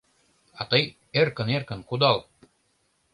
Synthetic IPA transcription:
ɑt̪ɤj | erkə̆nerkə̆nkud̪ɑl

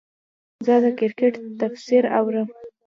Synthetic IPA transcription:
zəd̪əkɪɾkeʈt̪afsiɾa̰wɾəm

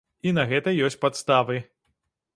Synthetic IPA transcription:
inɐɣɛt̪ɐjɔsʲt͡sʲpat̪st̪avɨ

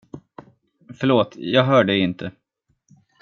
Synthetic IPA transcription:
fœɭoːt̪jɑːɡɦœːɖəɪnt̪ʰə

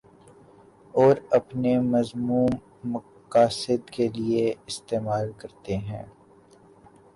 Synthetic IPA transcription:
ɔːɾɐpnemɐzmuːmː | ɐ | qaːsɪd̪kelieɪst̪eːmaːlkɐɾt̪eɦɛ̰̃ː

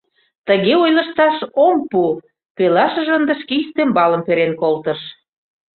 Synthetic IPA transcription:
t̪ə̆ɣeojlə̆ʃt̪ɑʃompu | pelɑʃə̆ʒənd̪ə̆ʃkeist̪embɑlə̆mpeɾenkolt̪əʃ

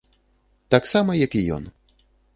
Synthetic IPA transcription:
t̪aksamɐjɐkijɔ̰n

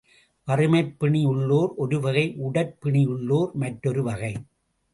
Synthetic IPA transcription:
ʋɐrɯmɐɪpːɪɳɪjʊɭːoːɾɔɾɯʋɐɣɐɪʔʊɽɐɾpːɪɳɪjʊɭːoːɾmɐʈɾɔɾɯʋɐɣɐɪ

